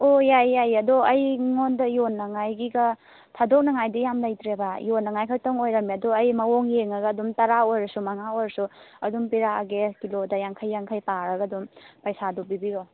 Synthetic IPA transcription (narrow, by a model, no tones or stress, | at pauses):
ojajːajɐdoɐjŋondɐjonːɐŋajɡiɡɐ | tʰadok̚nɐŋajdijamlajt̪ɾebajonːɐŋajkʰajtoŋojɾɐmiɐdoɐjmɐwoŋjeŋɐɡɐːdumtɐɾaojɾɐsumɐŋaojɾɐsuɐdumpiɾaaɡekilodɐjaŋkʰajːaŋkʰajpaɾɐɡadumpɐjsadubibiɾo